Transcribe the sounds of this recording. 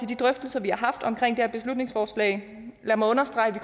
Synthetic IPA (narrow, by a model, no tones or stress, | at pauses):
e̝ld̥id̥ʁœfd̥əl̩sɒʋihɑ̈ɦɑ̈fd̥ɒ̽mkʰʁeŋ̰d̥eæɐb̥e̝slud̥ne̝ŋsfɒːslɛ̰ɪ | læɐmɑɪɔnɐsd̥ʁɑ̈ɪʋikʰ